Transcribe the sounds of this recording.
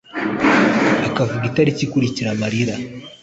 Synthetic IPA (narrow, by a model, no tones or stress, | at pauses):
akavuɡitaɾicikuɾiciɾamaɾiɾa